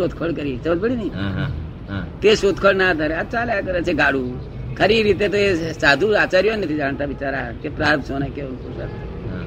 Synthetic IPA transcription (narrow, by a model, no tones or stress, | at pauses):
oːd̪kʰoɭkəɾit͡ʃɐblbəɽinɐi | t̪esoːd̪kʰoɽnaːd̪ʱaɾeat͡ʃaːlakəɾet͡ʃʰeɡaːɽu | kʰəɾiɾit̪̬et̪oesaːd̪ʱuaːt͡ʃaːɾjonət̪ʰid͡ʒaːɳt̪aʋɪt͡ʃaːɾakepɾaːɾb̪soːnakeonkusa̰t̪ʰ